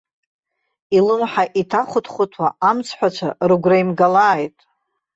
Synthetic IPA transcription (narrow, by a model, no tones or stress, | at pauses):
ilɨmħaʔitʰaχʷʊtʰʼχʷʊtʰwaamt͡sʰħʷat͡ʃʷʰarɨɡʷraimɡalaːjtʼ